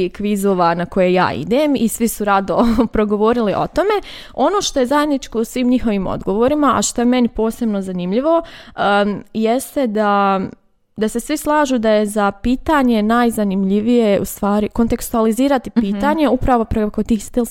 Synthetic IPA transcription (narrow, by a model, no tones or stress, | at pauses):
ikʋizoːʋanako̞jeja̰ːʔḭd̪eːmisʋisuɾad̪opɾo̞ɡo̞ʋo̞ːɾiliʔo̞̰t̪o̞me̞ | o̞no̞ːʃt̪o̞je̞zaje̞d̪nit͡ʃko̞usʋiːmɲixo̞ʋiːmo̰d̪ɡo̞ʋo̞ːɾimaʔa̰ʃt̪o̞je̞me̞nipo̞ːse̞bno̞zanimʎiʋo̞ | jest̪e̞d̪a | d̪ase̞sʋislˠaːʒuːd̪aje̞zapiːt̪aɲe̞najzanimʎiʋije̞ṵst̪ʋaːɾiko̞nt̪e̞kst̪ualiziːɾat̪ipiːt̪aːɲe̞upɾaʋo̞pɾekot̪iːst̪il